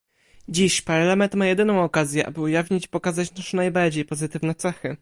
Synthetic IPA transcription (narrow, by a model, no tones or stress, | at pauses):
d͡ʑiɕpaɾɛlɛmɛnt̪majɛd̪ɘnɔ̃w̃ɔkazʲjɛʔa̰bɘujavʲɲit͡ɕi̥pɔkazat͡ɕnaʂnajbaɾd͡ʑejpɔzɘt̪ɘvnɛt̪sɛxɘ